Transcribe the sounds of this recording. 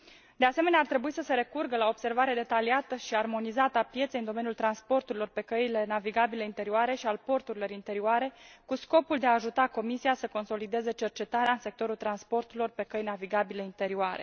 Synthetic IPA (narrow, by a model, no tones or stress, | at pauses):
d̪e̞ase̞me̞neart̪ɾe̞buisəse̞ɾe̞kurɡəlaoobse̞rvaɾe̞d̪e̞t̪aliat̪əʃiarmo̞nizat̪əapje̞t̪sejɨnd̪o̞menjult̪ɾanspo̞rt̪uɾilo̞rpe̞kəile̞naviɡabile̞int̪e̞ɾioaɾe̞ʃialpo̞rt̪uɾilo̞ɾint̪e̞ɾioaɾe̞kusko̞puld̪eaːʒut̪ako̞misiasəko̞nso̞lid̪e̞ze̞t͡ʃe̞rt͡ʃe̞t̪aɾeaɨnse̞k̚t̪o̞ɾult̪ɾanspo̞rt̪uɾilo̞rpe̞kəjnaviɡabile̞int̪e̞ɾioaɾe̞̰